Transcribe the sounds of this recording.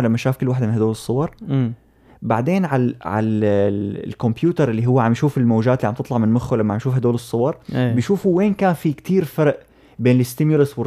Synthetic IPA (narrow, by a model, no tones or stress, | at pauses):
lamːaʃaːfkɪlːwaːħd̪amɪnhad̪oːlɨsˤːʊwɑɾˤ | baʕd̪eːnʕalʕa̰l | lkʊmpjuːt̪ɑɾˤʔɪlːiɦʊwːaʕambjʃuːfɪlmoːd͡ʒaːt̪ɪlːiʕamt̪ɨt̪ˤlɑʕmɪnmʊxːolamːaʕambjʃuːfhad̪oːlɨsˤːʊwɑɾˤbɪjʃuːfuweːnkaːnfik̚t̪iːɾfɑɾˤʔ | beːnlɪst̪ɪmjʊlaswɪr